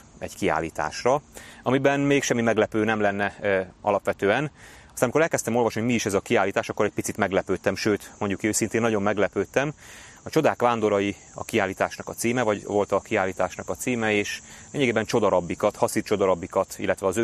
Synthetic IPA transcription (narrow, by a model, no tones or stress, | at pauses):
ɛ̰ɟkia̰ːlːiːt̪a̰ːʃrɒɒmibɛnmeːkʃɛmːimɛɡlɛpøːnɛmlɛnːɛɒ̰lɒpʋɛt̪øːɛn | ɒstanmikoɛlkɛst̪ɛmo̞lvɒʃnioɟmiːʃɛzɒkiaːlːiːt̪aːʃɒkːoɾɛc̚pit̪sit̪mɛɡlɛpøːt̪ɛmʃøːt̪mo̞ɲɟukøːsint̪eːnːɒɟo̞mːɛɡlɛpøːt̪ɛmɒt͡ʃo̞d̪aːkʋaːnd̪o̞ɾɒji | ɒ̰kiaːlːiːt̪aːʃnɒkɒt̪siːmɛvɒɟʋo̞lt̪ɒkiaːlːiːt̪aːʃnɒkɒt̪siːmɛeːʃeːɲːɛɡeːbɛnt͡ʃo̞d̪ɒɾɒbːikɒt̪hɒsitt͡ʃo̞d̪ɒɾɒbːikɒt̪ḭlːɛt̪ʋɛɒzø